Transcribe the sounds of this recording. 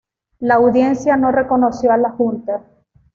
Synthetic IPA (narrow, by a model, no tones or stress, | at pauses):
laːwðje̞nsjano̞re̞ko̞no̞sjoalaxunt̪a